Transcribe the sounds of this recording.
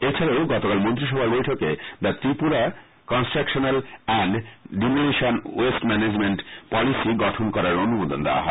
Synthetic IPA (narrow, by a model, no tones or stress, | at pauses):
et͡ɕʰaɾaoɡɔt̪okalmont̪ɾiʃ̬ɔbʱaɾbojʈʰoked̪at̪ɾipuɾa | kɔnsʈɾakʃonalɛɳɖɖimoneʃonwesʈmɛned͡ʑmeɳʈpɔlisiɡɔʈʰonkɔɾaɾonumod̪ond̪ewa̰ɦɔ̰e